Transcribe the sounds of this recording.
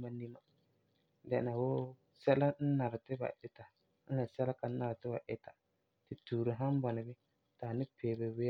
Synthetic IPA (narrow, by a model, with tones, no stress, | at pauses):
a˦ni˦ma˦ | dɛ˨na˨wo˦ | sɛ˦la˦n̩˦na˨ɾɪ˨tɪ˦ba̰˨ʔɪ˨ta˨ | n̩˦la˨sɛ˦la˦ka˨˦na˨ɾɪ˨tɪ˦ba˨ʔɪ˦ta˨ | tɪ˨tuː˨ɾɨ˨ɦa˦m˦ba˨nɨ˨bɪ˦ | ta˨nɨ˦peː˨bɛ˨we˦